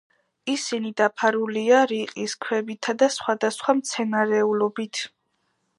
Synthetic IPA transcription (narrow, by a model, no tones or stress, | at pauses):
isinid̪apʰaɾuliaɾiqʼiskʰwɛbit̪ʰad̪asχwad̪asχwamt̪sʰɛnaɾɛulɔbit̪ʰ